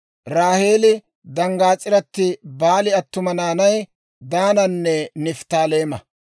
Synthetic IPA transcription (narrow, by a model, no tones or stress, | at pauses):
ɾaːhe̞ːlɪ | d̪ɐŋɡaːt͡sʼːɪɾɐt̪ːɪbaːlɪɐt̪ːʊmɐnaːnɐj | d̪aːnɐnːɛnɪft̪aːle̞ːmɐ